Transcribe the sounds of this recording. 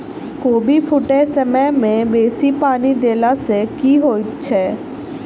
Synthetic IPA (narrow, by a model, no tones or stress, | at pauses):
koːbipʰʊʈesɐmɛmẽbeːsipaːnid̪eːlasekiːɦoːit̪t͡ʃʰɛː